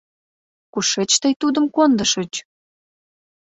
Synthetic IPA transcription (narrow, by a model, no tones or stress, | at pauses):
kuʃet͡ɕt̪əjt̪ud̪ə̆mkond̪əʃət͡ɕ